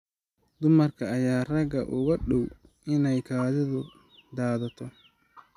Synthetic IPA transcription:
d̪ʊmɐrkʰɐːjaːrɐɡɐ̰ʔʊɣɐɖɔw | ɪnɛjkʰaːðɪðʊ | d̪aːðɐt̪ʰɔ

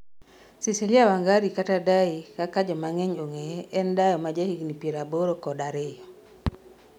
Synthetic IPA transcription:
sisiljawaŋɡaɾikatadaikakad͡ʒɔmaŋɛɲoŋeʔɛndajɔmad͡ʒahiɡnipjeɾaboɾokɔdaɾejɔ

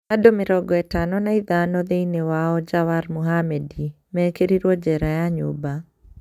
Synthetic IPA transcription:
adomɪɾɔɡɔɛtanɔnaiðanɔd̪einewaɔd͡ʒawaɾmuɦamɛdi | mɛkeɾiɾwɔd͡ʒɛɾajaɲʊ̰ba

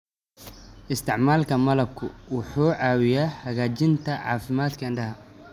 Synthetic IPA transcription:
ʔɪst̪ʰɪʕmaːlkʰɐmɐlɐb̚kʰʊwʊħuːʕɑːwɪjaːhɐɣaːt͡ʃɪnt̪ʰɐʕɑ̰ːfɪmaːd̪kʰɐɪnɳɖɐɦɐ

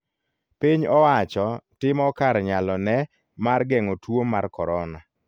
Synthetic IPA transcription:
piɲɔwat͡ʃɔtɪmɔkaɾɲalɔnɛ | marɡɛŋotwoːarkɔɾɔna

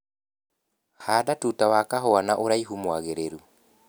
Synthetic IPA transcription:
haːdatutawakaɦɔanaʔoɾaiɦumwaɣeɾeɾu

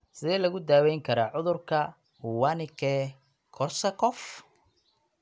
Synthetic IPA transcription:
sɪðɛːlɐɣʊd̪aːwɛjŋkʰɐɾaːʕʊðʊrkʰɐ | hʊwanɪkʰɛ | kʰɔrsɐkʰɔf

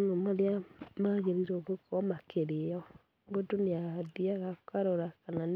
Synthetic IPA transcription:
nomaɾeamaɣeɾiɾoɣokɔmakeɾeɔ | ŋɡodoneadiaɣaokaɾoɾakanan

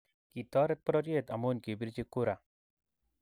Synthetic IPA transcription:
kit̪ɔːɾɛt̪̚pɾɔɾjeːt̪ɐmoːnkebiɾd͡ʒekoɾa

